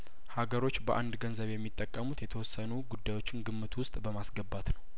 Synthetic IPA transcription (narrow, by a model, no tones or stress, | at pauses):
haɡəɾo̞t͡ʃːbəʔand̪ɡənzəβjɛmːit̪ʼːəkʼːəmut̪jɛt̪ʰəwɔsːənuɡud̪ːajwo̞t͡ʃːɪnɡɨmːɨt̪ʰwʊst̪ʼbəmasɡəbːat̪nəw